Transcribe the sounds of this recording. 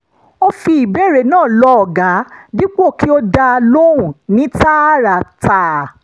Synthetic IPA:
o˧fi˧i˨bɛ˦˨ɾe˧˨nãː˦˨lɔ˧ɔ˨ɡa˨˦di˦k͡po˦˨ki˦o˧da˧a˧lo˦ũ˨nĩ˨˦ta˦ɾa˨ta˨

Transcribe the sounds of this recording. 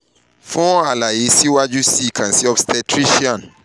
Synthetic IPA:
fɔ̃˦a˨la˨i˦si˦wa˦d͡ʒu˦si˦˨kʰã˨nsi˦ɔ˨fstɛ˨tʰɾi˦ʃiã˨n

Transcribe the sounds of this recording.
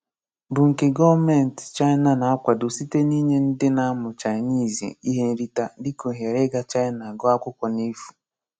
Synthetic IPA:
bʊ˨ŋ̩˨kɪ˨ɡɔ˦vme˨n˨tt͡ʃa˦ɪ˦na˨na˨a˦kʷa˨do˨si˦te˦ni˦ɲe˦n̩˦dɪ˦na˦mʊ˨t͡ʃa˨ɪ˨ni˦˨zi˨ḛ˨i˦ɦe˦n̩˦ɾi˦ta˨dɪ˦ko˨ɦe˨ɾe˦ɡa˦t͡ʃa˦ɪ˦na˨ɡɔ˦a˦kʷʊ˦kɔ˨ni˦fu̥˨

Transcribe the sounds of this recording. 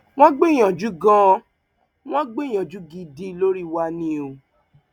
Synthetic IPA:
w̃ɔ̃˦ɡ͡be˦˨j̃ã˨d͡ʒu˨˦ɡã˦˧ | w̃ɔ̃˦ɡ͡be˦˨j̃ã˨d͡ʒu˨˦ɡi˧di˧lo˦ɾi˦wa˧nĩ˦o˧

